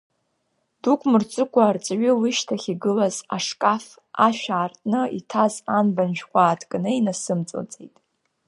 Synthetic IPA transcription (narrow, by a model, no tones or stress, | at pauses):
d̥ukʷʰʼmɨrt͡sʼɨkʷʰʼaːrt͡sʼɥilɨʃtʰaχʲiɡɨlaza̰ʂkʼaf | aʃᶣaːrtʼnɨitʰazanbanʒᶣkʷʼaːtʰkʼnɨinasɨmt͡sʼɨ̰lt͡sʼejtʼ